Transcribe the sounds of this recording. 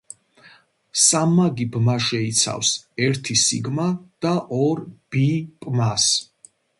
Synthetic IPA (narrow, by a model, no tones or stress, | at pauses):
samːaɡibmaʃɛit̪sʰa̰fsɛɾt̪ʰisḭɡmad̪̥aʔɔɾb̥ipʼmas